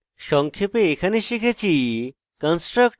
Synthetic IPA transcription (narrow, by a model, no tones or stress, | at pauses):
ʃɔŋkʰjopeːkʰaneʃikʰet͡ɕʰi | kənsʈɾək